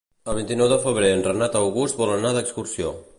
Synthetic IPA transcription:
əlβ̞int̪inɔwðəfəβ̞ɾeənrənat̪əwɣust̪̚bɔlənaðəkskuɾsio

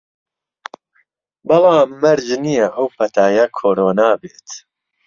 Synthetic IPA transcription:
bɑlɑːmːɐɾd͡ʒnijɐʔɐwpʰɐt̪ʰaːjɐkʰoːɾoːnaːbeːt̪

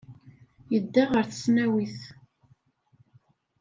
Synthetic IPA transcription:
jəd̪ːaʁəɾθə̥snæwiθ

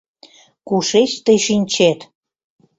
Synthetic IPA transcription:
kuʃeʃt̪əjʃinʲt͡ɕet̪

